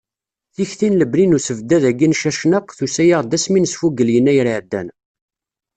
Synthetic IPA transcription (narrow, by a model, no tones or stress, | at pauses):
θiçθinləblinusəvd̪ːæðæɡinʃæʃnəqθusæjaʁd̪æsminəsfuɡəljənːæjɾiʕd̪ːæ̰n